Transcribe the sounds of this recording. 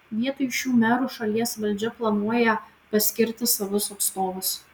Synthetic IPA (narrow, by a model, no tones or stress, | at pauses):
ʋʲiɛt̪ojɪʃʲuːmʲæːɾuʃɐlʲiɛsʋɐlʲd͡ʒʲɛplˠɐnuɔjɛ | pɐsʲkʲɪɾʲt̪ʲɪsɐʋʊsɐt̪st̪oːʋʊs